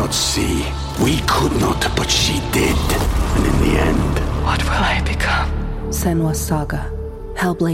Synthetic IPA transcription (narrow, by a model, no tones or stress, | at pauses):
ətsi | wikʰʊdⁿnətb̥ʌtʃidɪdɨ̃nɨ̰̃nðḭɛ̰̃nd̥wʌt̚wɪlˠaɪbɨkʰʌ̃m | sɛnwəsɑɡə | halˠble